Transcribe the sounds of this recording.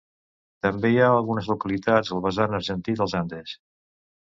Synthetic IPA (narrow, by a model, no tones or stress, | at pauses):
t̪əmbejaəlˠɣunəzlukəlit̪ad͡zəlˠβəzanəɾʒənt̪id̪əlˠzand̪es